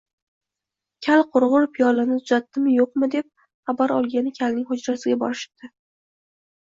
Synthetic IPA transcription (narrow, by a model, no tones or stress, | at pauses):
kʲʰalqʰʊɾʁʊɾpʰijɒlɪnɪt̪ʰʊzat̪ːɪmɪjoqmɪd̪e̞p̚ | χabaɾɒ̰lˠɡʲanɪkʲʰalnɪŋʲhʊd͡ʒɾasɪɡʲabɒ̰ɾɪʃɪ̥pd̪̥ɪ